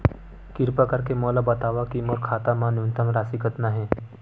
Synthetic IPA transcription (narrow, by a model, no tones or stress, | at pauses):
kɪɾpakəɾkemɔːlabɐt̪aːʋakimoɾkʰaːt̪amãnɪnt̪əmɾaːsiɡʱət̪naɦɛ̃ː